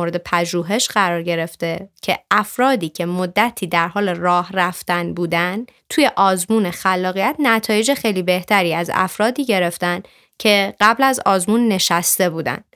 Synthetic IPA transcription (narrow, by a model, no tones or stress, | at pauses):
oɾe̞d̪e̞pʰæʒuːɦe̞ʃɢæɾɒːɾɟe̞ɾe̞ft̪e̞cʰe̞ʔæfɾɒːd̪iːcʰe̞mod̪ːæt̪ʰiːd̪æɾɦɒːle̞rɒːhræft̪ænbuːd̪æn | t̪ʰuːje̞ʔɒːzmuːnexælːɒːɣijæt̪ʰnæt̪ʰɒːje̞d͡ʒexejliːbe̞ht̪ʰæɾiːæzæ̰fɾɒːd̪iːɟe̞ɾe̞ft̪æn | cʰe̞ɢæblæzɒːzmuːnːe̞ʃæst̪e̞buːd̪æ̰n